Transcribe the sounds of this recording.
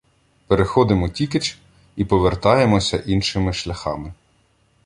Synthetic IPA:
peɾexɔd̪ɪmɔtʲiket͡ʃ | ipɔʋert̪ɑjemɔsʲɐʔinʃɪmɪʃlʲɐxɑ̰mɪ

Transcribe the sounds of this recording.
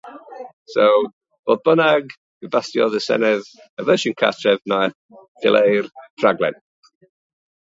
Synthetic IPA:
sow | v̥oːðbənaɡ | ibastjɔðəsɛ̰nɛð | əvəʃənkʰa̰tʰrɛvna | d̥ɪ̰lʔejrtʰraɡlɛ̰n

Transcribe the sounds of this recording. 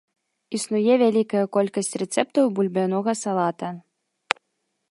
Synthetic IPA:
isnujɛvʲalʲikɐjɐkɔlʲkɐsʲt͡sʲrɛt̪sɛp̚t̪ɐwbulʲbʲanɔɣɐsalˠat̪ɐ

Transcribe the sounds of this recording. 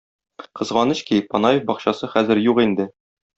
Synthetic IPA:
qɤ̆zʁɑnɘ̆ɕkipɒnɑjefbɒqɕɑsɤχæzɘɾjuqind̪ɘ

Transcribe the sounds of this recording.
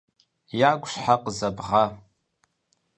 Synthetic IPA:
jaɡʷʃħaqʼzabʁa

